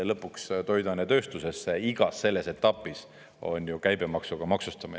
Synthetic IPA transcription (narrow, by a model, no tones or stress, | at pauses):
lɤpːˑukst̪o̞jd̪ɑnet̪ø̞ːst̪use̞sːeiɡ̥ɑsːe̞lːe̞se̞t̪ːˑɑpːˑis | o̞̰nʲjukæjbe̞mɑksuɡ̥ɑmɑksust̪ɑmin